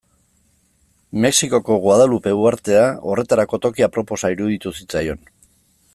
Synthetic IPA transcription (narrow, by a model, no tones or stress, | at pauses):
me̞ksiko̞ko̞ɣwað̞alupe̞uaɾt̪e̞ao̞re̞t̪aɾako̞t̪o̞kiapɾo̞po̞saiɾuðit̪usit͡sajo̞n